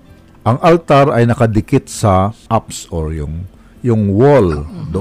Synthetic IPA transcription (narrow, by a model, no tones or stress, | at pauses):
ʔɐŋɐlt̪aɾɐjnɐkɐd̪ɪkɪt̪̚sɐʔapsoɹjʊŋ | jʊŋwold̪ʊ